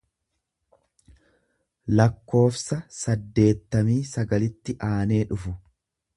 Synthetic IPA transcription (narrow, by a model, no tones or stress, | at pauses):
lɐkːo̞ːfsɐsɐd̪ːe̞ːt̪ːɐmiːsɐɡɐlɪt̪ːɪʔaːne̞ːᶑʊfʊ